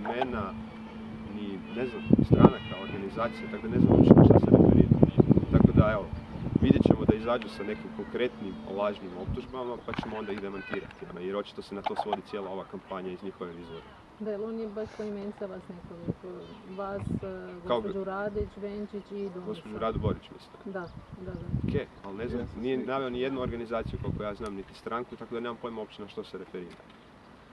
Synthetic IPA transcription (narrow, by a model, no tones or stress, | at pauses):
mena | nineznamst̪ɾa̰nakao̞ɾɡanizaːt̪sijat̪akod̪ane̞zna̰mo̰t͡ʃit̪oʃt̪asenḛɡ̪o̰ɾḭd̪̰t̪ako̞d̪ae̞ʋoʋid̪jet͡ɕemo̞d̪aizaːd͡ʒusane̞kimko̞ŋkɾe̞t̪nimlˠaʒnimo̞p̚t̪uʒbamapat͡ɕemoo̞nd̪aid̪e̞mant̪iːɾat̪ijeɾo̞t͡ʃi̥t̪o̞senat̪o̞sʋo̞d̪it̪sijeːlˠao̞ʋakampaɲaizɲixo̞ʋeɡizboɾa | d̪ajelonjebaʃpoiment̪aʋasnekoʋikʋasɡoaopod͡ʒuɾad̪ot͡ɕʋent͡ʃit͡ɕid̪oɡospod͡ʒuɾaːd̪ubo̞ɾit͡ʃmḭst̪ad̪ad̪ad̪aokʰejalneznamnijenaʋe̞onije̞d̪nuo̞ɾɡanizaːt̪sijukakojaːznaːmnit̪ist̪ɾaŋkut̪akod̪aneːmampo̞jmuo̞pt͡ʃt̪enaʃt̪o̞seɾe̞feɾiːɾa̰